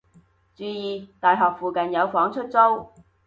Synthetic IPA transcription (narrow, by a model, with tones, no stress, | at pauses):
t͡syː˨˥jiː˨˧t̪aː˨jɦɔː˨k̚fuː˨kɐ˨njɐ˨˧wfɔː˨˥ŋt͡ʃʰɵ˥t̚t͡so˥w